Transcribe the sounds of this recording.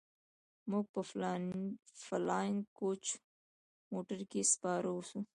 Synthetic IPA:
mok̚pɐf | fɐlaːiŋɡkoːt͡ʃʰ | moːʈəɾkispɑːɾosu

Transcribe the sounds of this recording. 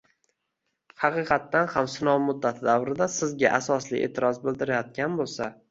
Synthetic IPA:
hɑqɨqʰɑt̪ːanhamsɪnɒwmʊd̪ːat̪ʰɪd̪awɾɪd̪asɪzɡʲaʔasɒslɪʔe̞̰ːt̪ʰɪɾɒzbɪld̪ɪɾajɒt̪̚kʲanbolˠsa

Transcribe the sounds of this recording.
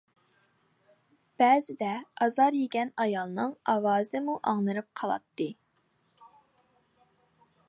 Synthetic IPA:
b̥ɛːzɪd̪ɛɑzɑɾjeɡʲɛnɑjɑlˠnɨŋɑwɑːzɨmuʔɑŋnɨɾɨp̚qʰɑlˠɑ̰t̪ːɨ

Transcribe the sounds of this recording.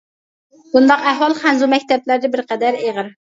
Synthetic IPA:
b̥und̪ɑqæɦwɑlˠχænzumɛkʲt̪ɛplæɾd̪ɛbɪɾqɛd̪æɾeʁəɾ

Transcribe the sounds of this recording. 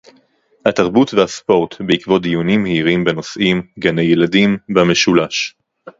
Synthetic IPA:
hataʁbutvehaspo̞ʁtbeikvo̞t̚dijunimheiʁimbeno̞sʔimɡanejeladimbame̞ʃulaʃ

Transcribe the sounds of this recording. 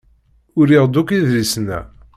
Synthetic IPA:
ʊɾiʁd̪ukiðlisnæ̰

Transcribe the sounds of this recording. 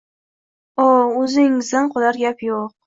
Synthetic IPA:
oɵzɪŋɪzd̪anqʰʊlaɾɡʲapjoq̚

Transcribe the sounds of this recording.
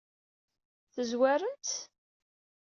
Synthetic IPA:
θəzwæɾənt̪

